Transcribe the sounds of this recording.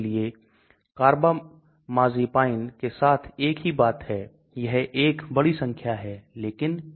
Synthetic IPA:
lie | kaːɾba | maːzipaːɪnkesaːt̪ʰeːkɦibaːt̪ɦɛ | jɐɦeːkbɐɽisə̃ŋkʰjaɦɛleːkɪn

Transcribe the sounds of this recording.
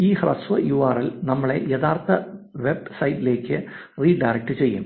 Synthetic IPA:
iːhrɐsʋɐjuaːrilnɐmːɐɭe̞̰jeðaːrt̪ɐʋe̞bsɐjtːile̞ːkʲːɨ | riːɖɐjrɐk̚ʈɨt͡ɕe̞jːṵm

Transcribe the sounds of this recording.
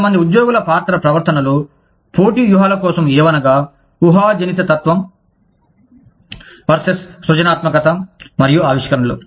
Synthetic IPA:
ɐmɐnd̪iud̪jɔːɡulɐpaːɾt̪ɐɾɐpɾɐʋɐɾt̪ɐnɐlu | poːʈiʋjuɦaːlɐkɔːsɐmɛːʋɐnɐɡaː | uɦaːd͡ʒɐnit̪ɐt̪ɐt̪ʋɐm | ʋɐɾsesːʋɐt͡ʃɐnaːt̪mɐkɐt̪ɐmɐɾijuaːʋiʂkɐɾɐnlu

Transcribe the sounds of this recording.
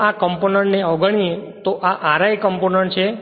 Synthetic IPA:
akəmponəɳʈneɔɡʱəɳ̃iet̪oʔaʔaɾajkəmponəɳʈt͡ʃʰe

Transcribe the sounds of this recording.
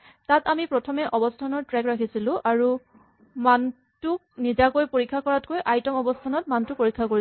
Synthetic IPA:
tatamipɹɔtʰɔmɛʔɔbɔstʰanɔɹtɹɛkɹakʰisilʊ̃ʔaɹu | man | tuk̚nizakojpoɹikʰːakɔɹatkojʔajtɔmɔbɔstʰanɔtmantupoɹikʰːako

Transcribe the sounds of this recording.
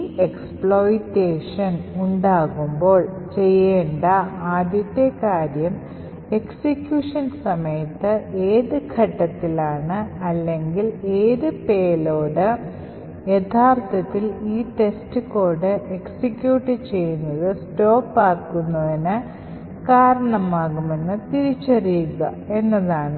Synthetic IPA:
ekspɭo̞ːjʈːeːʂɐnuɳɖaːɣumbo̞ːɭ | t͡ɕe̞jːeːɳɖɐaːd̪ʱjɐt̪ːjɐkaːɾjɐm | e̞ksikjuːʂɐnsɐmɐjɐt̪ːɨeːðɨkʰɐʈːɐt̪ːilaːɳɨɐlːe̞ŋɡile̞ːðɨpe̞ːlo̞ːɽɨ | jet̪ʰaːrt̪ʰɐt̪ːiliːʈe̞stɨko̞ːɽɨe̞ksikjuːʈːit͡ɕe̞jːunːɐðɨsto̞ːpːaːkːunːɐðinɨ | kaːɾɐɳɐmaːɣume̞nːɨt̪iɾit͡ɕːɐrijuɣɐ | e̞nːɐðaːɳɨ

